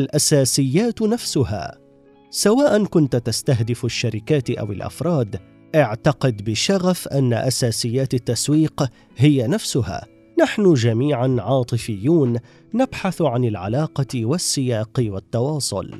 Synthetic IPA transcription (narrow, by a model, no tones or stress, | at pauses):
alʔasaːsɪjːaːt̪nafsʊha̰ː | sawaːʔankʊnt̪t̪ast̪aɦd̪ɪfaʃːaɾɪkaːt̪ʔa̰wɪ̰lʔa̰fɾˤɑːd̪ | ʔɪʕt̪ɑqɪd̪bɪʃaɣafʔanːa̰ʔasaːsɪjːaːt̪at̪ːaswiːq | hɪjanafsʊha̰ː | naħnʊd͡ʒamiːʕanʕɑːt̪ˤɨfɪjːuːnː | abħaθʕanɪlʕa̰lɑːqɑwasːɪjaːqwat̪ːɑwɑːsˤʊ̰l